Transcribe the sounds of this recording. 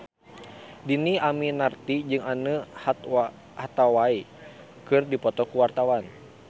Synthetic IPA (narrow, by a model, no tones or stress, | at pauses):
diniaminart̪id͡ʒɨŋanəh̪ | hat̪awai | kɨrdipɔt̪ɔkuwart̪awan